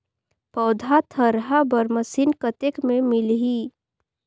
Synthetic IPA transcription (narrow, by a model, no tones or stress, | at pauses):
pɐʊd̪ʱat̪ʰəɾɦabəɾməsinkət̪ekmẽmɪlɦi